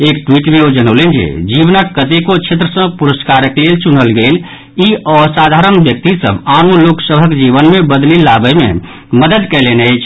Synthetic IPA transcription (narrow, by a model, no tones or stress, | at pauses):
ek̚ʈwiʈmeod͡ʒənəwlend͡ʒḛd͡ʒibnəkːət̪ekot͡ʃʰet̪̬ɾəsə̃puɾəskaɾəklelt͡ʃun̤əlɡel | iɔsad̪ʱaɾənbjək̚t̪isə̰banoloksəbʱəkd͡ʒiβənmebəd̪lilabəmḛ | məd̪əd̪kɛlenəjt͡ʃʰ